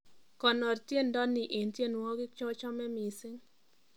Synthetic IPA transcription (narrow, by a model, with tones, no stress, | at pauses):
kɔ˨nɔ˨rtje˦˨ndɔ˦ni˨ʔe˨ntje˦nwɔ˦ɡɪ˦k̚t͡ʃɔ˦t͡ʃɔ˦mɛ˦mi˨sɪ˦ŋ